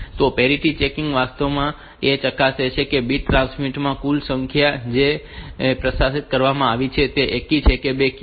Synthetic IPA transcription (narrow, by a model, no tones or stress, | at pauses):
t̪opɛɾiʈit͡ʃekɪŋɡʋast̪əʋmã | et͡ʃəkaset͡ʃʰekebiʈɾãnsmiʈmãkulsə̃ŋkʰjad͡ʒe | pɾəsasit̪̚kəɾʋamãaʋit͡ʃʰet̪eʔekit͡ʃʰekebek